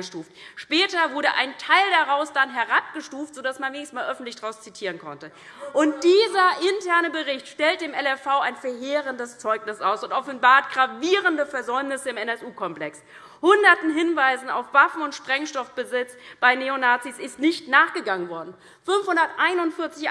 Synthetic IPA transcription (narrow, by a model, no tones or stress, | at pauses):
əʃtuːftʃpɛːtɐvʊɐɾəʔa̰ɪntʰaɪldaʁaʊsd̥anɦɛɐʁap̚ɡ̥əʃtuːftz̥odasmanveːnɪçs̩maːlʔœfn̩tlɪçd̥aʁaʊst͡sitʰiːʁənkʰɔ̰ntə | ʔʊnt̚d̥iːzɐʔɪntʰɛɐnəbəʁɪçtʃtɛlt̚d̥eːmɛlɛfaʊaɪnfɛɐɦeːʁəndəst͡sɔʏknɪsʔa̰ʊsʊntʔɔfn̩baːɐt̚ɡ̥ʁaviːʁəndəfɛɐzɔʏmnɪsəɪmɛnɛsʔuːkʰɔmplɛks | hʊndɐtn̩ɦɪnvaɪzn̩a̰ʊfv̥afn̩ʊntʃpʁ̥ɛŋʃtɔfb̥əzɪt͡sb̥aɪneonaːt͡sisɪstnɪçtnaːχɡ̥əɡaŋənvɔɐdn̩ | fʏnfhʊndɐtʔaɪnʊntfɪɐt͡sɪç